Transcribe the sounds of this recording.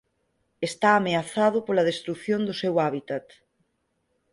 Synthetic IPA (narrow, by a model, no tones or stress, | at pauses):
est̪aːmeaθað̞ʊpolað̞est̪ɾuθjond̪ʊsewaβit̪at̪